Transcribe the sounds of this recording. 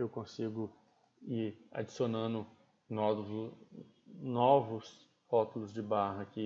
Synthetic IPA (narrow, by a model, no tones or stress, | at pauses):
ewkõsiɡʊ | iɾa̰d͡ʒisionɐ̃nʊ | nɔ | nɔvʊs | hɔt̪ʊlʊzd͡ʒɪbaɦɐkɪ